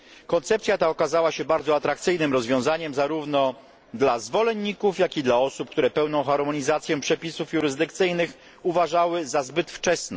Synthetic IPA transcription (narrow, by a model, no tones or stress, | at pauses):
kɔnt̪sɛpt̪sʲjat̪aɔkazawaɕɛbaɾd̪zɔat̪ɾak̚t̪sɘjnɘmɾɔzvʲjɔ̃w̃zaɲɛmzaɾuvnɔ | d̪lazvɔlɛɲːikufjakʲid̪laɔsup̚k̚t̪uɾɛpɛwnɔ̃w̃xaɾmɔɲizat̪sʲjɛpʂɛpʲisufjuɾɘzd̪ɘkt̪sɘjnɘx | uvaʐawɘzazbɘt̪ft͡ʂɛsnɔ